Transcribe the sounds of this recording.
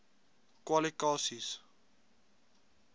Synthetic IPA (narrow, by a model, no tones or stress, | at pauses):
kwalikɑːsis